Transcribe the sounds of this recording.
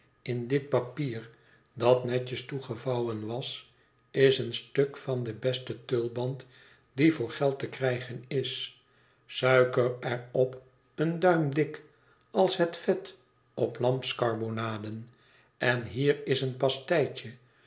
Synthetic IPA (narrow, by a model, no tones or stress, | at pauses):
ɪndɪt̚pɑpiːɹ | dɑtnɛcəstuχəvɑwənʋɑs | ɪsənstøkfɑndəbɛstətølˠbɑnt | divʊːɹχɛlˠtəkrɛjχənɪs | sœɥkərɛrɔp | əndœɥmdɪk | ɑlˠsɦətfɛt | ɔplɑmpskɑɹbonaːdən | ɛnɦiːɹɪsənpɑstɛjt͡ʃə